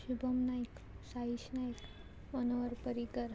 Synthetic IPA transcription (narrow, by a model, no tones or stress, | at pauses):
ɕubʱəmnaik | saiɕnajk | mənʋəɾpəɾiɡəɾ